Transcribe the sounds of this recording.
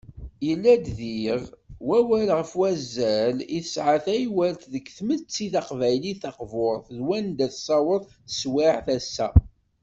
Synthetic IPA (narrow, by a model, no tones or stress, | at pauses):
jəlːæd̪ðiʁwæwælʁəfwæzːæliθəsʕaθæjwælt̪ðəkθmət͡sːiθɑqvæjliθɑqvoɾˤθðwænd̪æθsˤɑwəðˤθə̥swiʕθæsːæ